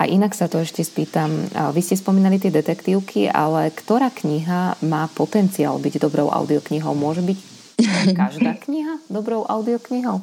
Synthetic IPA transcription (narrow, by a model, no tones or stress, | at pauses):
a̰ʔinaksat̪ɔɛʃcɛspiːt̪amʋiscɛspɔmiːnalit̪ɪɛd̪ɛt̪ɛkt̪iːʊkʰiʔa̰lɛkt̪ɔɾaːkɲiɦamaːpɔt̪ɛnt͡sia̰lbiɟd̪ɔbɾɔ̰ʊʔa̰ʊd̪iɔkɲiɦɔʊmʊɔʒɛbic | kaʒd̪aːkɲiɦad̪ɔbɾɔʊʔa̰ʊd̪iɔkɲiɦɔʊ